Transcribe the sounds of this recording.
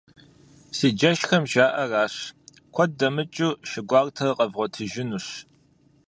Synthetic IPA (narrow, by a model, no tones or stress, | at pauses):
siːd͡ʒɐʃxɐmʒaːʔɐraːɕ | kʷʰɔdɐmɨt͡ʃʼuʃɪɡʷɑːrtʰɐqʼɐvʁʷɔtʰɨʒɪnuɕ